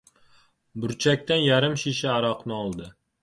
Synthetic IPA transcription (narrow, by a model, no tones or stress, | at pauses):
bʊɾt͡ʃʰak̚ʲt̪anjaɾɪmʃiʃɪaɾɒqnɨɒlˠd̪ɪ